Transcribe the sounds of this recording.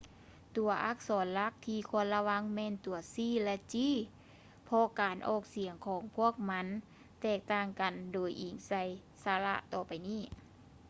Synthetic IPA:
t̪u˨˩ɐʔa˧˥˩k̚sɔː˨˦nla˧˥k̚t̪ʰiː˧˩kʰu˧˨nla˧wa˧˥˨ŋmɛː˧˥˨nt̪u˨˦ɐsiː˧˩˨lɛ˧˥t͡ɕiː˧˥˨ | pʰɔ˧kaː˨nʔɔ̰ː˧˩k̚si˨˩˦əŋkʰɔː˨˩˦ŋpʰu˧˥˩ək̚ma˧˥n | t̪ɛː˧˩k̚t̪aː˧˩ŋka˨ndoː˨˩jʔiː˨˩ŋsa˧˩j | saː˧˦la̰˧ʔt̪ɔː˧˩pa˨˩jniː˥˩

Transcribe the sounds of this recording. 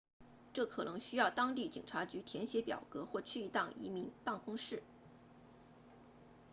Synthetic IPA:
ʈ͡ʂɤ˥˩kʰɤ˨˩nɤ˧˥ŋɕy˥jɑ˥˩ʊt̪ɑ˥ŋt̪i˥˩t͡ɕi˨˩ŋʈ͡ʂʰa˧˥t͡ɕy˧˥t̪ʰjɛ˧˥nɕjɛ˧˥pjɑ̰˨˩ʊkɤ˧˥xwɔ˥˧t͡ɕʰy˥˧i˥t̪ɑ˥˩ŋʔḭ˧˥mi˧˥npa˥˩nkʊ˥ŋʂɻ̩˥˩

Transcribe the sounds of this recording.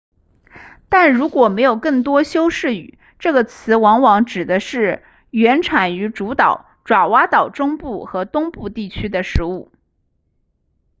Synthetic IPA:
t̪a˥˩nɻu˧˥kwɔ˨˩me˧˥ɪjo˨˩ʊkɤ˥˩ŋt̪wɔ˥ɕjo˥ʊʂɻ̩˥˩y̰˨˩ | ʈ͡ʂɤ˥˩ɡə˩t͡sʰɹ̩˧˥wɑ˧˥ŋwɑ˧˥ŋʈ͡ʂɻ̩˨˩d̪ə˦ʂɻ̩˥˩ | ɥɛ˧˥nʈ͡ʂʰa˨˩ny˧˥ʈ͡ʂu˧˥t̪ɑ˨˩˦ʊ | ʈ͡ʂwa˨˩wa˧˥t̪ɑ˨˩ʊʈ͡ʂʊ˥ŋpu˥˩xɤ˧˥t̪ʊ˥ŋpu˥˧t̪i˥˩t͡ɕʰy˥d̪ə˨ʂɻ̩˧˥u˥˩

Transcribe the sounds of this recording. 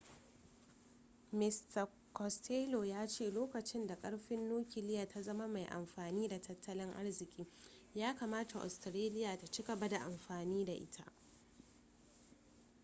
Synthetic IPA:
mɪ˨stɐ˨ | kɔ˨stʰeː˦lo˨jaː˦t͡ʃeː˦˨loː˦kɐ˨t͡ʃɪ˦nda˨kʼɐ˦ɽɸɪ˦nːuː˦kʲɪ˨lɪ˦jaː˨tʰa˦zɐ˦ma˦ma˨jʔa̰˨mɸaː˨niː˦da˨tʰɐ˦tːɐ˦lɪ˦ŋʔa̰˦rzɪ˨kʲʼiː˦ | jaː˦kaː˨maː˦ta˨ʔɔ̰˨stɾeː˦lɪ˦jaː˨ta˨t͡ʃɪ˦ɡɐ˨ba˦da˨ʔa˨mɸaː˨niː˦da˨ʔɪ̰˦tʰa̰˦ʔ

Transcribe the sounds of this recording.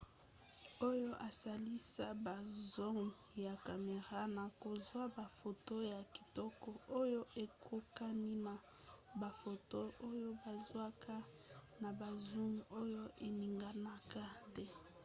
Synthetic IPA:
o˦jo˦ʔa˨sa˨li˦sa˦ba˨zɔ˦ŋ | ja˨ka˨me˨ʁa˦na˨ko˨zwa˦ba˨fo˨to˦ja˨ki̥˨tɔ˦kɔ˨˦ʔo˦jo˦ʔe˨kʰo˦ka˦ni˦na˨ | ba˨fo˨to˦o˦jo˦ba˨zwa˦kʰa˦na˨ba˨zu˦ŋo˦jo˦ʔe˨ni˨ŋɡa˨na˦ka˦tɛ˦

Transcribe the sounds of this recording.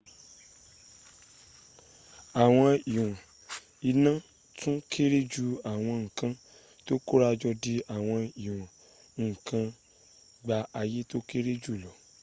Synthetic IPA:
a˨w̃ɔ̃˧i˨w̃ã˨ | i˧nã˦ | tũ˦kʰe˦ɾe˦d͡ʒu˦a˨w̃ɔ̃˧ŋ̩˨kã˧ | to˦ko˦ɾa˧d͡ʒɔ˧di˧a˨w̃ɔ̃˧i˨w̃ã˨ | ŋ̩˨kʰã˧ | ɡ͡ba˧a˧je˦to˦ke˦ɾe˦d͡ʒu˦˨lɔ˨

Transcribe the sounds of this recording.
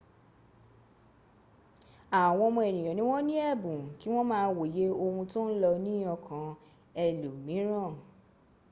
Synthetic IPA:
a˨w̃ɔ̃˧mɔ̃˧ɛ˨nĩ˨j̃ɔ̃˨nĩ˦w̃ɔ̃˦nĩ˦ɛ˦˨bũ˨ki˨˦w̃ɔ̃˦mãː˦˧˦wo˨je˨˦o˧hũ˧tõ˦n̩˦lɔ˧nĩ˦ɔ˧kʰã˨ | ɛ˧lu˨mĩ˨˦ɾ̃ã˦˨

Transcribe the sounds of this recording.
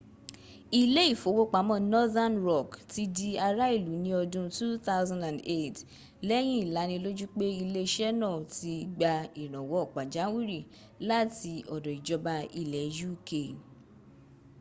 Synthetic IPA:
i˧le˦i˦˨fo˨˦wo˧k͡pa˨˦mɔ̃˦nɔ˦ða˦nɾɔ˦˨kti˦di˧a˧ɾa˦i˦˨lu˨˦nĩ˧ɔ˧dũ˧tu˦t̪a˦wzã˧ndã˨nde˦˨t | lɛ˦j̃ĩ˦i˦˨la˨˦nĩ˧lo˦d͡ʒu˦k͡pe˦i˧le˧ʃɛ˦nɔ̃˦˨ti˧ɡ͡ba˧i˨ɾ̃ɔ̃˨wɔ˨˦ɔ˦˨k͡pa˨d͡ʒa˨˦wi˦ɾi˦˨ | la˦ti˧ɔ˨dɔ˨i˨d͡ʒɔ˧ba˧i˨lɛ˨˦ju˦˨ke˨

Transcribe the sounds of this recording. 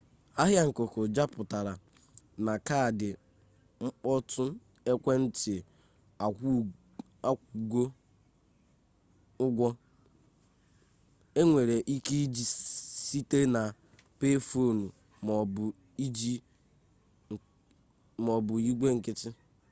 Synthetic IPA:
a˦ɦja˦ŋ̩˨ko˨ko˨d͡ʒa˦pʊ˨ta˨ɾa˨ | na˨ka˦a˨dɪ˨ | ŋ͡m̩˦k͡pɔ˦tʊ˦ | e˦kʷe˦n̩˦tɪ˨ | a˨˦ | a˦ku˨ɡʷo˦ | ʊ˦ɡʷɔ˦ | e˦ŋʷe˨ɾe˨ʔi˦ki˦d͡ʒi˦si˦te˦na˨ | pe˦fo˦˨nu˨ | i˦d͡ʒi˦˨ | mɔ˨bʊ˨i˦ɡʷe˦ŋ̩˨kɪ˦tɪ˦

